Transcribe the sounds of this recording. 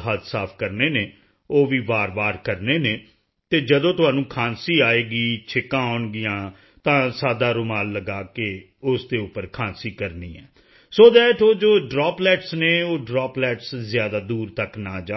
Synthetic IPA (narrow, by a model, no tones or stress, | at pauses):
ɦat̪saːpʰkəɾneːneː | oːʋiːʋaːɾʋaːɾkəɾneːneː | t̪eːd͡ʒəd̪õːt̪ʊɦaːnũːkʰãːnsiːaːeːɡiːt͡ʃʰɪkãːoʊnɡɪjãː | t̪ãːsaːd̪aːɾʊmaːlləɡaːke | ʊsd̪eːʊpːəɾkʰãːnsiːkəɾniːɛː | soːd̪ɛːʈʰoːd͡ʒoːɖɾɔːplɛːʈsneːoːɖɾaːplɛːʈszɪjaːd̪aːd̪uːɾt̪əknaːd͡ʒaː